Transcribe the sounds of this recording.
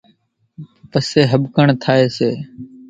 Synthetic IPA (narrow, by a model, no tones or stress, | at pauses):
pəseːɦəbkəɳt̪ʰaːeːseː